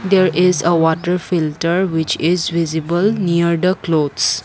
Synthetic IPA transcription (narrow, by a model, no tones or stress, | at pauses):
d̪eɾɪzəʋɔʈəɾfilʈəɾwɪt͡ʃɪzʋizibəlniəɾd̪əklod̪s